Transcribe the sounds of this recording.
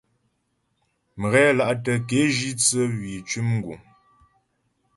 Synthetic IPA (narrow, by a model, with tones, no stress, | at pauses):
m˨ɣɛ˦la˦ʔtə˨ke˨˦ʒi˦t͡sə˦wɥi˨t͡ʃʉ˦mŋ˦ɡṵ˨